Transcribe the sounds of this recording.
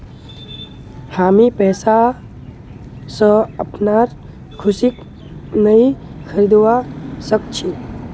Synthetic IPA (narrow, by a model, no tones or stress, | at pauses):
haːmipɛːsa | sə̃əpnaɾ | kʰʊsik | nəixʰəɾid̪wasək̚t͡ʃʰi